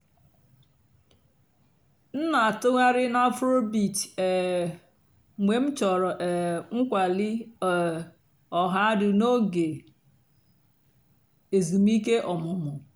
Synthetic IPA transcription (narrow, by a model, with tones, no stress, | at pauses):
n̩˦na˨a˨tʊ˦ŋʷa˦ɾɪ˦na˦fɾo˦bi˨te˨ | ŋʷe˨m̩˦t͡ʃɔ˨ɾɔ˨ʔɛ˨ŋ̩˦kʷa˨lɪ˦˨ | ɔ˨ɦa˦a˦dʊ˨no˦ɡe˨ | e˨zi˨mi˦ke˦ʔɔ˨mʊ˨mʊ˨